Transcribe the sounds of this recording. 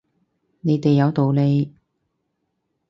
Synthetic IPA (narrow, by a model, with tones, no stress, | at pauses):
ne˨˧jt̪e˨jːɐ˨˧wt̪o˨wle˨˧j